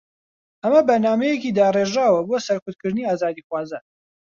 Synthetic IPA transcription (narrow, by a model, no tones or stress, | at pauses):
ʔɐmɐbɐɾnaːmɐjecid̪aːreʒaːwɐbosɐɾkʊt̪̚kɨɾd̪ɨniːaːzaːd̪iːxwaːzan